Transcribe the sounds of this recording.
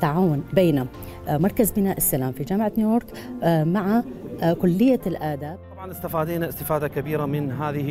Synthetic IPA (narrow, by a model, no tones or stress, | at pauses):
t̪ːaʕaːwʊnbeːna | mɑɾˤkazbɪnaːʔɪsːalaːmfid͡ʒaːmʕanjuːjoːɾˤk | maʕakʊlːɪjːalʔaːd̪aːb̚t̪ˤɑbʕɑnɪst̪afaːd̪iːnaɪst̪ɪfaːd̪akabiːɾamɪnɦaːðɪh